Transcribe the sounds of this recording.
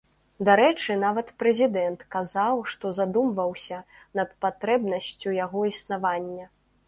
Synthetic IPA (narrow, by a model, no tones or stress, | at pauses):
d̪aɾɛt͡ʂɨnavɐt̪pɾɛzʲid̪ɛnt̪kazawʂt̪ɔzad̪umvɐwsʲɐ | nɐt̪̚pat̪ɾɛbnɐsʲt͡sʲujaɣɔisnavanʲːɐ